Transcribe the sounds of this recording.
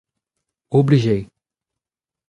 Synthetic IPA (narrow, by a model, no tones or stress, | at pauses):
obliʒej